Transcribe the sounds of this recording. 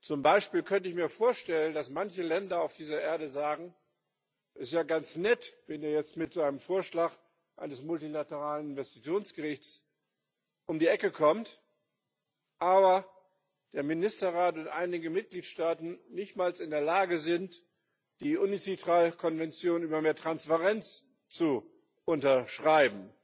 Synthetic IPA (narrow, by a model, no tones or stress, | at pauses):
t͡sʊmbaɪʃpiːlkʰœntəɪçmiːɐfoːɐʃtɛləndasmançəlɛndɐaʊfd̥iːzɐʔeːɐdəzaːɡŋ̩ | ʔɪtjaːɡant͡snɛtv̥ɛneːɐjɛt͡stmɪtz̥aɪnəmfoːɐʃlaːk | ʔaɪnəsmʊltilatəʁaːlənɪnvɛsti̥t͡sjoːnsɡ̥əʁɪçt͡s | ʔʊmdiːʔɛkəkʰɔmt | ʔaːbɐ | d̥eːɐmɪnɪstɐʁaːtʊntʔa̰ɪnɪɡəmɪt̚ɡ̥liːtʃtaːtn̩nɪçtmaːlsɪndeːɐlaːɡəzɪnt | d̥iːʔunit͡sitʁ̥aːlkʰɔnvɛnt͡sjoːnʔyːbɐmeːɐtʁ̥anspaʁɛnt͡s | t͡su | ʔʊntɐʃʁ̥aɪbm̩